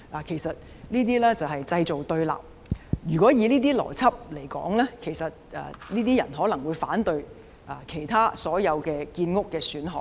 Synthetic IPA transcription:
laː˨˩kʰe˨˩jsɐ˨t̚ | niː˥t̪̬iː˥lɛː˥t͡sɐ˨wɦɐ˨jt͡sɐ˧jt͡so˨wt̪ɵ˧ɥla̰ː˨˩p̚ | jyː˨˩kʷɔː˨˥jiː˨˧liː˥t̪̬iː˥lɔ̰ː˨˩t͡sʰɐ˥p̚le˨˩jkɔ̰ː˨˥ŋlɛː˥kʰe˨˩jsɐ˨t̚ʔɛ̰˨niː˥t̪iː˥jɐ˨˩nɦɔː˨˥lɐ˨˩ŋwuː˨˧jfaː˨˥nt̪ɵ˧ɥ | ʔa˨kʰe˨˩jt̪ʰaː˥sɔː˨˥jɐ˨˧wkɛː˧kiː˧nŋʊ˥kːɛː˧syː˨˥nɦɔ̰ː˨k̚

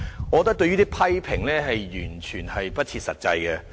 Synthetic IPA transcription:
ŋɔː˨˧kɔ˧t̪ːɐ˥k̚t̪ɵ˧ɥyː˥t̪iː˥pʰɐ˥jpʰɪ˨˩ŋlɛː˥ɦɐ˨jjyː˨˩nt͡ʃʰyː˨˩nhɐ˨jpɐ˥t̚t͡sʰiː˧t̚sɐ˨t̚t͡sɐ̰˧jkɛ˧

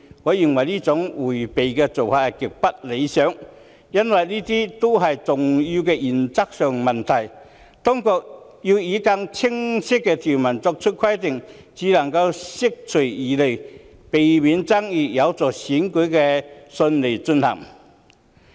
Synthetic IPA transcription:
ŋɔː˨˥ji˨˩ŋwɐ˨˩jliː˥t͡sʊ˨˥ŋwuː˨˩jpe˨jkɛ˧t͡so˨wfaː˨˧˨kɪ˨k̚pɐ˥t̚le˨˧jsœː˨˥ŋ | jɐ˥nwɐ˨jliː˥t̪iː˥t̪o˥wɦɐ˨jt͡sʊ˨ŋji˧wkɛː˧ʔiː˨˩nt͡sɐ˥k̚sœː˨ŋmɐ˨˩nt̪ʰɐ˨˩j | t̪ɔ˥ŋkɔː˧k̚ | ji˧wjiː˨˥ka˧ŋt͡sʰɪ˥ŋsɪ˥kːɛ˧t̪ʰi˨˩wmɐ˨˩nt͡sɔː˧k̚t͡ʃʰɵ˥t̚kʰwɐ˥jt̪ɪ˨ŋ | t͡siː˨˥lɐ˨˩ŋkɐ˧wsɪ˥k̚t͡sʰɵ˨˩iː˨le˨˩j | pe˨jmiː˨˧nt͡sɐ˥ŋjiː˨˧jɐ˨˧wt͡sɔː˨˩siː˨˥nkɵ˨˥jkɛː˧sɵ˧nle˨˩jt͡sɵ˧nhɐ̰˨˩ŋ

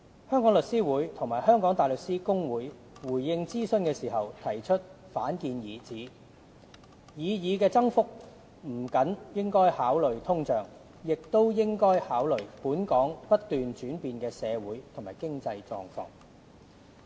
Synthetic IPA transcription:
hœː˥ŋkɔː˨˥ŋlɵ˨k̚siː˥wuː˨˥jt̪ʰʊ˨˩ŋmaː˨˩hœː˥ŋkɔː˨˥ŋt̪aː˨jlɵ˨k̚siː˥kʊ˥ŋwuː˨˥j | wuː˨˩jːɪ˧ŋt͡siː˥sɵ˧nkɛː˧siː˨˩ɦɐ˨wt̪ʰɐ˨˩jt͡ʃʰɵ˥t̚ | faː˨˥nkiː˨˧njiː˨˩t͡siː˨˥ | jiː˨˧jiː˨˧kɛː˧t͡sɐ˥ŋfʊ˥k̚ | m̩˨˩kɐ˨˥njɪ˥ŋkɔː˥jhaː˨˥wlɵ˨ɥt̪ʰʊ˥ŋt͡ʃœː˨ŋ | jɪ˨k̚t̪o˥wjɪ˥ŋkɔː˥jhaː˨˥wlɵ˨˩ɥpuː˨˥nkɔː˨˥ŋpɐ˥t̚t̪ːyː˨nt͡ʃyː˨˥npiː˨nkɛː˧sɛː˨˧wuː˨˥jt̪ʰŋma̰ː˨˩jkɪ˥ŋt͡sɐ˧jt͡sɔ̰ː˧ŋfɔ̰ː˧ŋ

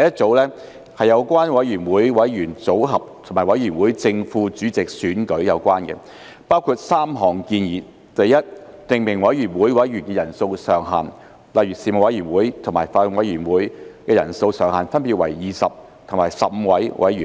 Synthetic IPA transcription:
ɐ˨jɐ˥t̚t͡so˨˥wlɛː˥ | hɐ˨jːɐ˨˧wkʷaː˥nwɐ˨˥jɥyː˨˩nwuː˨˥jwɐ˨˥jɥyː˨˩nt͡so˨˥wɦɐ˨p̚t̪ʰmaː˨˩jwɐ˨˥jyː˨˩nwuː˨˥jt͡sɪ˧ŋfuː˧t͡syː˨˥t͡sɪ˨k̚syː˨˥nkɵ˨˥ɥjɐ˨˧wkʷaː˥nkɛ̰˧ | paː˥wkʰuː˧t̚saː˥mɦɔː˨˩ŋkiː˧njiː˨˩ | t̪ɐ˨jːɐ˥t̚t̪ɪ˨˧ŋmɪ˨˩ŋwɐ˨˥jɥyː˨˩nwuː˨˥jwɐ˨˥jɥyː˨˩nkɛː˧jɐ˨˩nso˧wsœː˨˩ŋɦa̰ː˨˩n | lɐ˨jyː˨˩siː˨˧mo˨˩wɐ˨˥jyː˨˩nwuː˨˥jt̪ʰʊ˨˩maː˨˩jfaː˧lʊ˧ŋwɐ˨˥jɥyː˨˩nwuː˨˥jkɛː˧jɐ̰˨˩nso˧wsœː˨˩ŋhɦaː˨nfɐ˥npiː˧t̚wɐ̰˨˩jːiː˨˩sɐ˨p̚ | t̪ʰʊ˨˩maː˨˩jsɐ˨p̚m̩˧wɐ˨˥jwʔɐ˨˥jyː˨˩

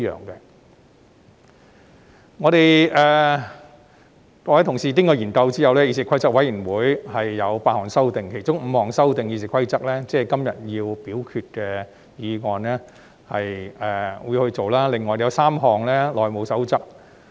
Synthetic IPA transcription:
jœ̰ː˨ŋkɛ̰˧ | ŋɔː˨˧ɾe˨jʔɛː˨˩ | t̪ɔ˨˧wjt̪ʰʊ˨˩ŋsiː˨t̪iː˥ŋkɔː˧˩iː˨˩nkɐ˧wt͡siː˥ɐ˨˧wlɛː˥jiː˧s̬iː˨˧kʷʰɐ˥jt͡sɐ˥k̚wɐ˨˥jiː˨˩nwuː˨˥jhɐ˨jːɐ˨˧wpaː˧t̚hɔː˨˩ŋsɐ˥wt̪ɪ˨ŋkʰe˨˩jt͡sʊ˥ŋm̩˨˧hɔː˨˩ŋsɐ˥wt̪ɪ˨ŋjiː˧s̬i˨˧kʰɐ˥jt͡sɐ˥k̚lɛː˥t͡sɛː˥˩kɐ˥mjɐ̰˨˩t̚jiː˧wpiː˨˥wkʰyː˧t̚kɛː˧ | jiː˨˧ŋɔː˨˧nlɛː˥ | hɐ˨jɛː˨wuː˨˧jhɵ˧ɥt͡so˨wlaː˥lɪ˨ŋːɔː˨jjɐ˨˧wsaː˥mɦɔː˨˩ŋlɛː˥lɔː˨jmo˨˧wsɐ˨˥wt͡sɐ˥k̚

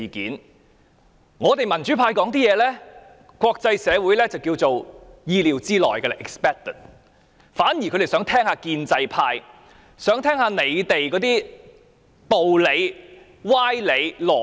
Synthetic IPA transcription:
kiː˨˥n | ŋɔː˨˧t̪e˨˩jmɐ˨˩nt͡ʃyː˨˥pʰaː˧jkɔː˨˥ŋt̪iː˥jɛː˨˧lɛː˥ | kʷwɔː˧k̚t͡sɐ˧jsɛː˨˧wuː˨˥jlɛː˥t͡sɐ˨wkiː˧wt͡so˨wjiː˧liː˨˩wt͡siː˥lɔ̰ː˨˩jkɛ˧ɛ˧ʔɛ˨kspɛː˥k̚t̪ə˨˩t̚ | faː˨˥nji˨˩kʰɵ˧ɾe˨jsœː˨˥ŋt̪ʰɛː˥ŋhaː˧kiː˧nt͡sɐ˧jpʰaː˧j | sœː˨˥ŋt̪ʰɛː˥ŋhaː˨˧ne˨˧jt̪e˨jkɔː˨˥t̪iː˥ | t̪o˨wle˨˧j | waː˥jle˨˧jlɔː˨˩

